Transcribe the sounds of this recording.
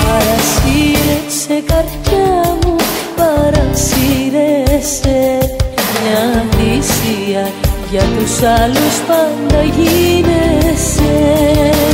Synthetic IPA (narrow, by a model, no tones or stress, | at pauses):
paɾasiɾesekaɾt͡ʃamopaɾansiɾese | ɲand̪isiajat̪usalospand̪aʝinese